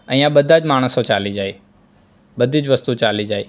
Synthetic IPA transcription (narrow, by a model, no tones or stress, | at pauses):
ə̃ĩjãɓəd̪ʱaːd͡ʒmaːɳ̃əsõt͡ʃaːlid͡ʒaːe | ɓəd̪ʱid͡ʒʋəst̪ut͡ʃaːlid͡ʒaːeː